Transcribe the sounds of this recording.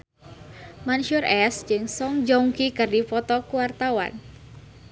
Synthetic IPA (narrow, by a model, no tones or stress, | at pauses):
manʃurɛsd͡ʒɨŋsɔŋd͡ʒɔŋkikɨrdifɔt̪ɔkuwart̪awa̰n